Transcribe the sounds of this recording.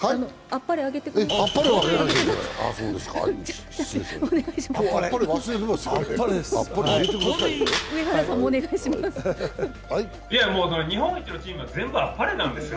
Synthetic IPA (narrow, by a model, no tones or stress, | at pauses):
haiano | apːaɾeaɡe̞t̪e̞kɯeapːaɾeɡenand̪esḛa̰soːd̪e̞ska̰̥ | eoneɡaiɕimaːaɾepːaɾeβasɨɾet̪emspːaɾed̪esapːaɾeaɡet̪ekɯd̪asaiɯ̟e̞kaɾasãmːoːne̞ɡaiɕimasɨ | ai | ijamoːsonoɲ̟iɦõŋit̪ʲːinot͡ɕĩːmɯ̟βad͡zẽ̞mbɯapːaɾenãnd̪e̞sɨjo